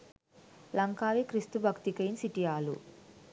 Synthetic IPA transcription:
lɐŋkaːʋikɾist̪ubʱɐkt̪ikɐjinsiʈijaːlṵ

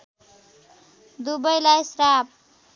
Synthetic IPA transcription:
d̪ubʌjlajsrap̚

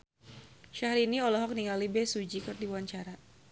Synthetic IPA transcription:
ʃahɾiniɔlɔɦɔk̚niŋalibɛsud͡ʒikɨrdiwaɲt͡ʃaɾa

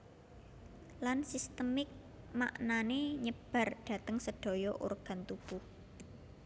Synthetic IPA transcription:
lansist̪əmɪk̚ | ma̰ʔnaneɲəb̥ä̤rɖ̥ä̤t̪əŋsəɖ̥o̤jɔʔṵrɡ̥ä̤nt̪ub̥uh

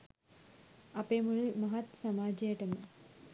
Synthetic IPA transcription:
ɐpeːmuɭumɐɦɐt̪sɐmaːd͡ʒɐjəʈəmə

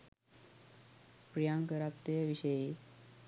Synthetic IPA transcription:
pɾijãŋkəɾat̪ːeaʋiɕəje

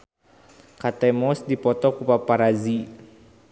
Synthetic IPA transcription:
kat̪ɛmɔsdipɔt̪ɔkupapaɾazi

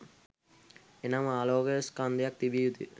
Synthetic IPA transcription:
enamaːloːɡɐskand̪ijak̚t̪ibijut̪ḭ

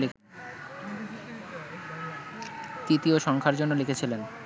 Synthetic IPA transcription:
le | t̪it̪ioʃɔŋkʰaɾd͡ʑonːolekʰet͡ɕʰilen

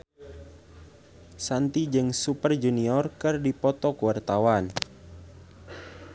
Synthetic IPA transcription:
sant̪id͡ʒɨŋsupərd͡ʒuniɔrkɨrdipɔt̪ɔkuwart̪awan

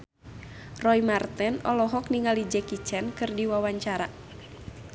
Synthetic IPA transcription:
rɔimart̪ɛnɔlɔɦɔkniŋalid͡ʒɛkit͡ʃɛnkɨrdiwawaɲt͡ʃaɾa

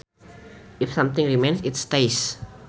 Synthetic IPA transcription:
ifsãmt̪ɪ̃ŋɹimẽnsɪtstajs

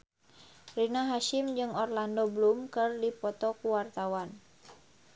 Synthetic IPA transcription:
rinaɦaʃɪmd͡ʒɨŋɔrlandoblumkɨrdipɔt̪ɔkuwart̪awan

